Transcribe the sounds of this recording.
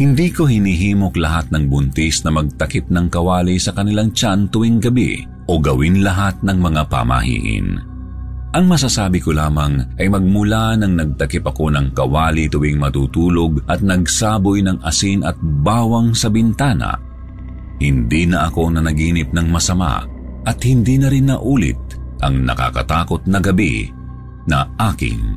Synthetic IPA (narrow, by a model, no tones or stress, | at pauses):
hɪnd̪iːko̞hɪniɦiːmo̞klɐɦat̪̚nɐŋbʊnt̪isnɐmɐɡ̚t̪ɐkɪp̚nɐŋkɐwaːlisɐkɐnɪlaŋt͡ʃant̪ʊwiŋɡɐbḭ | ʔo̞ɡɐwinlɐɦat̪̚nɐŋmɐŋapɐ̰mɐ̰hḭːʔɪ̰n | ʔɐŋmɐsaːsaːbɪkolaːmɐŋʔɐjmɐɡ̚mʊlanɐŋnɐɡ̚t̪ɐkɪpɐko̞nɐŋkɐwaːlit̪ʊwiŋmɐt̪uːt̪uːlo̞ɡʔɐt̪̚nɐɡ̚saːbojnɐŋɐsinɐt̪̚baːwɐŋsɐbɪnt̪aːnɐ̰ | hɪnd̪inɐʔɐko̞nɐnɐɡiːnɪp̚nɐŋmɐsɐma̰ | ʔɐt̪̚hɪnd̪inɐɾɪnːɐʔuːlɪ̰t̪̚ʔɐŋnɐ̰ka̰kɐ̰t̪aːko̞t̪̚nɐɡɐbḭ | nɐʔaːkɪ̰n